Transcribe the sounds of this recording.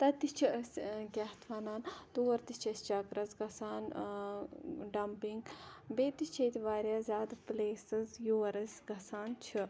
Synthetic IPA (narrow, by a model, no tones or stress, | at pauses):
t̪ɐt̪it͡ʃʰiɾsʲɡʲɐht̪ʰʋɐnaːnt̪uʋɐɾt̪it͡ʃʰɐsʲt͡ʃɐɡɾɐzɡɐsaːn | ɖɐmpiŋɡbeːt̪it͡ʃʰɐjt̪ʲiʋaːɾʲjaːzʲaːd̪pleːsɨzjuʋɐɾɐzʲɡɐsaːnt͡ʃʰi